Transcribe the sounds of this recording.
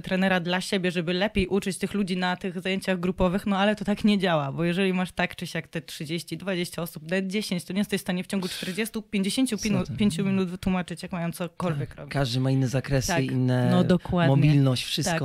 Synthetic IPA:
t̪ɾɛnɛɾad̪laɕebʲjɛʐɛbɘlɛpʲjejʔut͡ʂɘt͡ɕt̪ɘxlud͡ʑinat̪ɘɣzajeɲt͡ɕaɣɡɾupɔvɘxnɔalɛt̪ɔt̪akɲɛd͡ʑawabɔjɛʐɛlʲimaʂt̪akt͡ʂɛɕjakt̪ɛtʂɘd͡ʑeɕt͡ɕid̪vad͡ʑeɕt͡ɕaɔsup̚d̪ɛd̪̚d͡ʑeɕeɲt͡ɕt̪ɔɲɛst̪ɛɕst̪aɲɛft͡ɕɔŋɡut͡ʂt̪ɛɾd͡ʑest̪upʲjeɲd͡ʑeɕeɲt͡ɕuinupʲjeɲt͡ɕumʲinut̪vɘt̪wumat͡ʂɘt͡ɕjakmajɔ̃nt̪sɔkɔlvʲjɛkɾɔ̰bʲkaʐd̪ɘmainːɛzakɾɛsɨḭnːɛnɔd̪ɔkwad̪mɔbʲilnɔɕt͡ɕfʂɘskɔ

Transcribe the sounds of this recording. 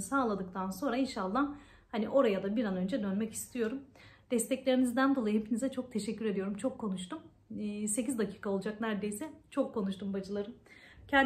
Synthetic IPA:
saːlˠad̪ɯk̚t̪ʰanso̞nɾainʃalˠːa | haniʔo̞ɾajad̪abiɾanø̞nd͡ʒɛd̪ønmɛci̥st̪ʰijo̞ɾumd̪̥ɛst̪ʰɛclʲe̞ɾinizd̪ænd̪olˠajɯhepʰinizɛt͡ʃʰo̞k̚t̪ʰe̞ʃɛcʰːyɾe̞d̪ijo̞ɾumt͡ʃʰo̞kʰːo̞nuʃt̪umː | se̞cizd̪acʰiːkʰao̞lˠud͡ʒaknæɾd̪e̞jsɛt͡ʃʰo̞kʰːo̞nuʃt̪ʰumbad͡ʒɯlˠaɾɯmcʰæn

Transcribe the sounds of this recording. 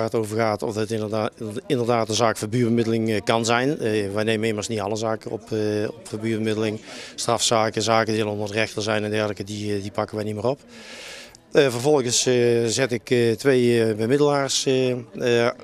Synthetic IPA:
arətoːvərɣaːtɔ̰fət | ɪndərdaːtənzaːkfabyːbəmɪdəlɪŋkɑnzɛjnʋɛjnejməeːmərsniɑlˠəzaːkəɔ̰pɔpfabyːbəmɪdəlɪŋstrɑfsaːkəzaːkədiɛlˠəɔndərdərɛxtərzɛjnɛndɛrləkədidipɑkəʋɛjnimɪːrɔp | vərvɔlˠəɣəszɛtɪktʋejbəmɪdəlaːrs

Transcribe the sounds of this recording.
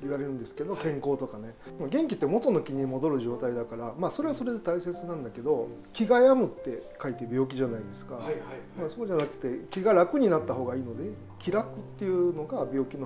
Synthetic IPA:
iβaɾe̞ɾɯ̟̃nd̪e̞sɨ̥ke̞d̪o̞kẽ̞ŋko̞ːt̪o̞kane̞ | maɡẽ̞ŋkʲit̪ːemo̞t̪o̞no̞kʲiɲ̟imo̞d̪o̞ɾɯ̟ʑo̞ːt̪aid̪akaɾamaːso̞ɾe̞βaso̞ɾe̞d̪e̞t̪aise̞t͡sɨnãnd̪ake̞d̪o̞ | kʲiɡajamɯ̟t̪ːe̞kait̪e̞bʲjo̞ːk̬ʲiʑanaid̪e̞sɨ̥kamaso̞ːʑanakɯ̟̥t̪e̞kʲiɡaɾakɯ̟ɲ̟inat̪ːaɦo̞ːɡaiːno̞d̪e̞ | kʲiɾakɯ̟t̪ːe̞jɯ̟no̞ɡabʲo̞ːkʲino

